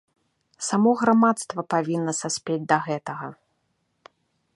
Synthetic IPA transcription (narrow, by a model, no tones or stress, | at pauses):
samɔɣɾamat̪st̪vɐpavʲinːɐsasʲpʲed͡zʲd̪ɐɣɛt̪ɐɣɐ